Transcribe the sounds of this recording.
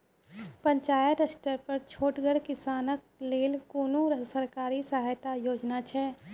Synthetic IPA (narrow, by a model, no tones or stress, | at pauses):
pə̃ɲt͡ʃaːjəʈəsʈəɾpɐɾt͡ʃʰoːʈɡəɾkɪsaːnək̚ | leːlkuːnuɾsəɾkaːɾisəɦaːjt̪ajoːd͡ʒnat͡ʃʰɛː